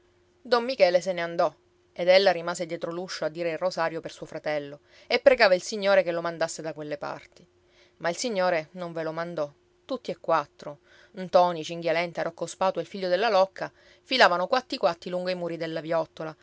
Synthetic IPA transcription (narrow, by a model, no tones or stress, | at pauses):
d̪omːikɛːleseneand̪ɔ | ed̪elːaɾimaːsed̪jɛːt̪ɾoluʃːoad̪ːiːɾeilrozaːɾjopersuːofɾat̪ɛlːo | epːɾeɡaːvailsiɲːoːɾekelomand̪asːed̪akwelːepa̰rt̪i | mailsiɲːoːɾenoɱvelomand̪ɔ | t̪ut̪ːiekːwat̪ːɾo | nt̪ɔːnit͡ʃiŋɡjalɛnt̪eaɾɔkːospaːt̪ueilfiʎːod̪elːalɔkʰːa | filaːvanokwat̪ːikwat̪ːiluŋɡoimuːɾid̪elːavjɔt̪ːola